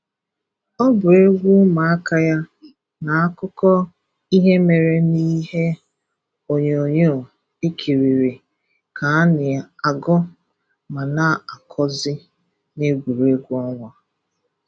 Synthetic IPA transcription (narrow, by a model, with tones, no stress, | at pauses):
ɔ˦bʊ˨ɾe˦ɡʷu˦ma˨a˦ka˦ja˦ | na˨a˦kʊ˦kɔ˦ | i˦ɦe˦me˨ɾe˨ni˦ɦe˦ | o˨ɲe˨o˨ɲo˦˨ | e˦kʰi˨ɾi˨ɾi˨ | kʰa˨a˦nɪ˨a˨ɡɔ˦ | ma˨na˦a˨kʰɔ˦zɪ˦ | ne˦ɡʷu˨ɾe˦ɡʷu˦ɔ˦ŋʷa˨